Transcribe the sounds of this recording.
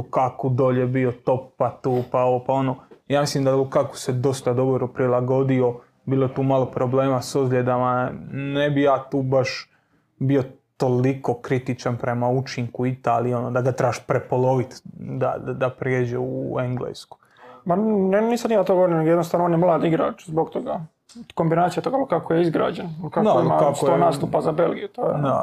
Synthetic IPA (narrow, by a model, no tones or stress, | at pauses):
ukakod̪oʎebio̞t̪o̞ppat̪uːpaoʋopao̞nojaːmislimd̪aukako̥sed̪o̞st̪ad̪o̞boɾupɾilˠaɡo̞d̪io̞ | biːlˠoet̪uːmalo̞pɾo̞ble̞ːmasozʎʲed̪amanebijaːt̪uːbaʃ | bio̞t̪o̞liko̞kɾit̪it͡ʃanpɾe̞maut͡ʃiŋkuit̪aːlio̞nod̪aɡat̪ɾaːʃpɾepolo̞ʋit̪d̪a̰d̪d̪apɾjeːd͡ʑeuueŋɡlḛsku̥ | manniːsamnimat̪oɡooɾnineɡojed̪nost̪aʋnoonjemlˠaːd̪iɡɾa̰ːt͡ʃzboɡt̪oɡa | ko̞mbinaːt̪sijat̪oɡalokakojeizɡɾa̰ːd͡ʒenkaakoimakask̪onaːst̪upazabelɡijut̪oːjed̪a